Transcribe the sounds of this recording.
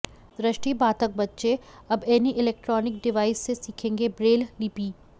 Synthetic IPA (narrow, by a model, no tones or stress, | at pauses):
d̪ɾɪʃʈibaːt̪ək̚bɐtːʃeɐbɛːniʔɪlɛːk̚ʈɾɔːnɪk̚ɖɪʋaːɪsːesiːkʰẽːŋɡebɾeːlliːpiː